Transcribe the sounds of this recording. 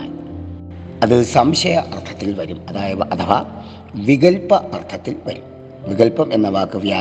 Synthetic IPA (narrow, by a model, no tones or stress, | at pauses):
i | ɐðɨsɐmɕɐjɐʔɐrt̪ʰːɐ̥t̪ːilʋɐɾumɐðaːjɐʋɐʔɐt̪ʰɐʋɐ̰ | ʋiɣɐlpːɐʔɐrt̪ʰɐt̪ːilʋɐɾum | ʋiɣɐlpɐme̞nːɐʋaːkːɨʋjaː